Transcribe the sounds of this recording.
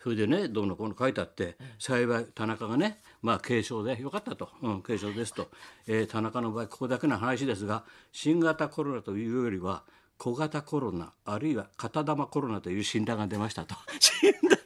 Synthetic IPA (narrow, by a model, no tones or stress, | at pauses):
hɯed̪e̞ne̞d̪o̞ːnːakonokait̪eat̪ːe̞saiβait̪anakaɡane̞ | maːkʰe̞ːɕo̞ːd̪e̞jo̞kat̪ːat̪o̞ɯ̃ke̞ːɕo̞ːd̪e̞sɨ̥t̪o̞eːt̪ʰanakano̞baːikʰo̥od̪akenaɦanaɕid̪e̞sɨɡaɕĩŋɡat̪ako̞ɾo̞nat̪o̞jɯ̟ːjo̞jo̞ɾʲiβa | kʰo̞ɡat̪ako̞ɾo̞na̰ːɾɯ̟iβakat̪ad̪amako̞ɾo̞nat̪o̞jɯ̟ːɕĩnd̪aɡad̪e̞maɕi̥t̪at̪oɕind̪a